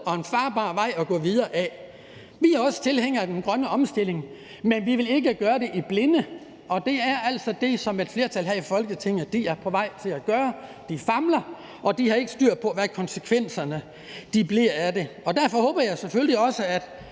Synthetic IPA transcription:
ɒ̽enfɑ̈ːb̥ɑ̰̈ːʋɑ̈ɪ̰ɒɡ̥ɔ̰ːʋiðˠɐːʔæ | ʋiæɐɒ̽sə̥t͡sʰe̝lɦeŋ̰ɐd̥enɡ̥ʁɶnəɒ̽msd̥e̝l̰e̝ŋ | menʋiʋe̝le̝ɡ̥əɡ̥ɶːɐd̥e̝ʔib̥le̝nə | ʔɒ̽d̥e̝æɐæl̰sɒ̽d̥e̝sɒ̽me̝d̥fle̝ɐt͡sʰæl̰ɦhæifɒ̽lɡ̥ət͡sʰe̝ŋ̰ɐd̥iæɐpʰɒ̽ʋɑ̈ɪ̰t͡sʰe̝læɡ̥ɶːɐ | d̥ifɑ̈mlɐ | ʔɒ̽d̥ihɑ̈e̝ɡ̥əsd̥yɐ̰̥pʰɒ̽ʋækʰɒ̽nsəkʰʋen̰sɐnə | d̥ib̥liɐæɐd̥e̝ɒ̽d̥æɐfɒ̽hɔ̽ːb̥ɐjɑ̈ɪsefølliɒ̽səæd̥

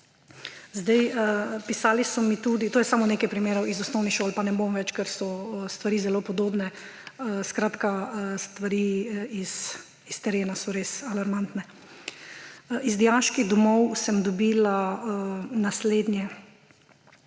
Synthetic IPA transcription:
zd̪ɛjəpisaːlisɔmit̪ud̪it̪oːjɛsaːmɔneːkajpɾimeːɾɔwizɔsnɔwniʃoːlpanɛbomʋɛt͡ʃkɛɾsɔst̪ʋaɾiːzɛloːpɔd̪oːbnɛ | skɾaːt̪kast̪ʋaɾiis | ist̪ɛɾeːnasɔɾeːsalaɾmant̪nɛ | izd̪ijaʃkiɣd̪ɔmɔwsɛmd̪ɔbiːla | nasleːd̪njɛ

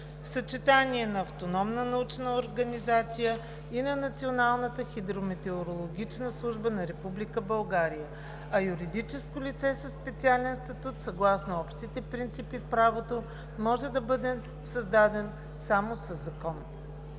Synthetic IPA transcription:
fsɐt͡ʃɛt̪aniɛnɐɐft̪onɔmnənɐut͡ʃnəoɾɡɐnizat̪sijə | inɐnɐt̪sionalˠnət̪əxid̪ɾomɛt̪ɛoɾolˠoɡʲit͡ʃnəslˠuʒbənɐɾɛpublikəbɐlˠɡaɾijə | ɐjuɾid̪it͡ʃɛskolʲit̪sɛsɐsːpɛt̪sialɛnst̪ɐt̪ut̪sɐɡlˠasnoɔpʃt̪it̪ɛpɾint̪sipifpɾavot̪o | mɔʒɛd̪ɐbɤd̪ɛ | sɐzd̪ad̪ɛn | samosəzːɐkɔn

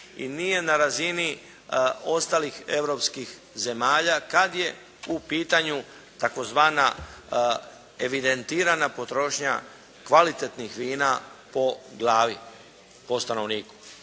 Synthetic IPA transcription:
ḭnije̞naɾazini | o̞st̪alixe̞ʋɾo̞pskix | ze̞maːʎakad̪je̞ | upiːt̪aɲu | t̪ako̞zʋaːna | e̞ʋid̪e̞nt̪iːɾanapo̞t̪ɾo̞ːʃɲa̰ | kʋalit̪et̪nixʋiːnapo̞ɡlaːʋi | po̞st̪ano̞ʋniːku̥

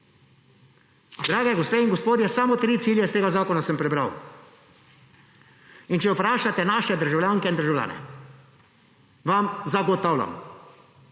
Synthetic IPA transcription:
d̪ɾaːɡɛɡospeːiŋɡɔspoːd̪jɛsamot̪ɾiːt̪iːljɛst̪eːɡazaːkɔnasɛmpɾɛbɾa̰w | int͡ʃɛwpɾaːʃat̪ɛnaːʃɛd̪əɾʒawlʲjaːŋkɛind̪əɾʒawlʲja̰ːnɛ̰ | ʋamzaɡɔt̪aːwlʲa̰m

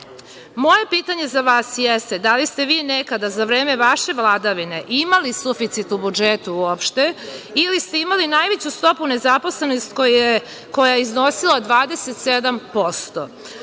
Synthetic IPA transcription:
mo̞je̞piːt̪aɲe̞zaʋaːsjest̪e̞d̪alist̪e̞ʋiːnekad̪azaʋɾe̞ːme̞ʋaʃe̞ʋlˠad̪aʋine̞ʔimalisufit̪sit̪ubud͡ʒet̪uuopʃt̪e̞ilist̪e̞imalinaːjʋet͡ɕust̪o̞pune̞zapo̞sle̞nost̪ko | ko̞jajizno̞silad̪ʋaːd̪e̞set̪sed̪ampo̞st̪o̰

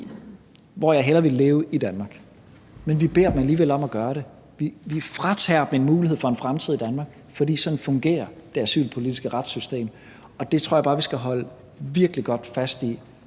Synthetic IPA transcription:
ʋɒjɑ̈ɪɦelɐʋe̝le̝ːʊid̥ænmɑ̈ɡ̥ | menʋib̥e̝ɐ̰d̥m̩æliːʋel̰ɒ̽mæɡ̥ɶːɐɾe̝ | ʋiʋifʁɑt͡sʰɛ̰ːɐb̥m̩e̝nmuːlihe̝̰fɒ̽e̝nfʁamt͡sʰið̞̰ˠid̥ænmɑ̈ːɡ̥ | fɒ̽d̥ḭːsɒ̽d̥n̩fɔ̽ŋɡ̥e̝̰ːɐd̥e̝æsy̰ːlpʰo̝lid̥isɡ̥əʁad̥sysd̥e̝̰ːm | ɒ̽d̥e̝t͡sʰo̰ɐbɑːʋisɡ̥æɦɒ̽lə | ʋiɐɡ̥liɡ̥ɒ̽d̥fæsd̥i

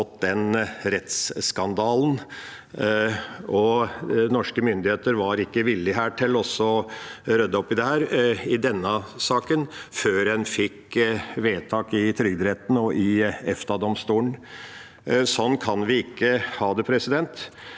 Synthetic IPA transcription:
ɔt̪d̪ɛnɾɛt̪sskɑnd̪ɑːln | ɔnɔʂkəmʏnd̪ɪheːt̪əɾʋɑɾɪkːəʋɪlːɪɦæːʈʰɪlːɔsːɔɾœd̪ːəɔpːɪd̪ɛhæːɾɪd̪ɛnːəsɑːkənføːɾɛnfɪkːʋeːt̪ʰɑːkɪt̪ʰɾʏɡd̪ɾɛt̪n̩ɔʔɪɛft̪ɑd̪ɔmst̪uːɳn̩ | sɔnːkʰɑnʋɪɪkːəhɑːd̪ɛpʰɾɛsɪd̪ɛnt̪

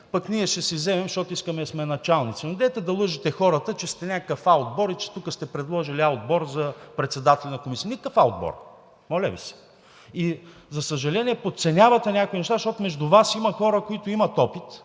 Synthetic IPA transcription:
pɐkniɛʃɛsizɛmɛmʃt̪ɔt̪ʊiskəmɛsmɛnɐt͡ʃalˠnit̪sinʊd̪ɛt̪ɛd̪ɐlˠɤʒit̪ɛxɔɾət̪ət͡ʃɛst̪ɛnʲakkəfaod̪̚bɔɾit͡ʃɛ̥t̪ukəst̪ɛpɾɛd̪lˠɔʒiliaod̪̚bɔɾzɐpɾɛt̪sɛd̪at̪ɛlʲɛnɐkomisiənʲikəfaod̪̚bɔ̰ɾ | mɔlʲɛ̰vḭsɛ̥ | i | zɐsəʒɐlɛnʲiɛpot̪t̪sɛnʲavɐt̪ɛnʲakoinɛʃ̬t̪aʃt̪ɔt̪ʊmɛʒd̪ʊvasimɐxɔɾəkoit̪oimɐt̪ɔpit̪

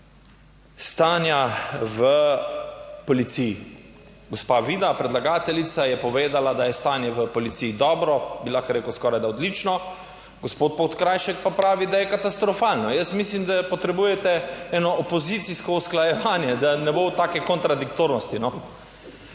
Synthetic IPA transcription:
st̪aːnjaʋə | polit̪sii | ɡospaʋiːd̪apɾɛd̪laɡaːt̪ɛlit̪sajɛpɔʋeːd̪alad̪ajɛst̪aːnjɛʋəpɔlit̪siːd̪ɔːbɾɔbilakɛɾeːkʊskɔɾajd̪aɔd̪lit͡ʃnɔ | ɡospoːt̪̚pot̪kɾaːjʃɛk̚papɾaːʋid̪ajɛkat̪ast̪ɾɔfaːlnɔjəsmislimd̪apɔt̪ɾɛbuːjɛt̪ɛɛnɔːpozit̪siskɔusklajɛʋaːnjɛd̪anɛbowt̪aːkɛkɔnt̪ɾad̪ikt̪oːɾnɔst̪inɔ

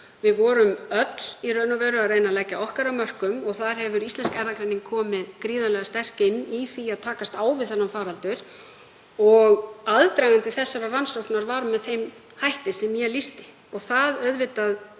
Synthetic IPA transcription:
vɪðvɔːɾʏmœt̪l̥irœːnʏvɛːɾʏaðrejnalɛcːaɔhkaɾamœr̥kʏmɔɣθaɾ̥hɛvʏɾist̪lɛnskɛɾðakɾejnɪŋkʰɔːmɪðkɾiːðalɛɣast̪ɛr̥kɪnːiθiaðt̪ʰaːkast̪aːwvɪðθɛnːamfaːɾalt̪ʏɾ̥ | ɔɣaðt̪ɾajɣant̪ɪθɛsːavavansowhknaɾvaːɾmɛðθejm | hajht̪ɪsɛmjɛlist̪ɪ̥ | ɔɣθaðœɥðvɪt̪að

